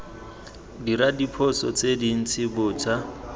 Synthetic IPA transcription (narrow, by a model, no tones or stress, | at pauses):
diɾadipʰɔsɔt͡sedin̩t͡sʰɪbʊːt͡sʰʼa